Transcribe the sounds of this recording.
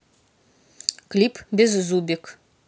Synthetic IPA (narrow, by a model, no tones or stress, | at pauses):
kʲlʲipbʲezzubʲɪk